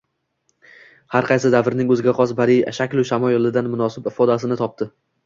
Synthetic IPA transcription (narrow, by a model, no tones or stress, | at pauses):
haɾqʰɑjsɪd̪avɾnɪŋɵzɪɡʲaqʰɒsbaɾijaʃakʲlʊʃamɒjɒlˠɪd̪anmʊnɒsɪbɪfɒd̪asɪnɪt̪ʰɒp̚t̪ʰɪ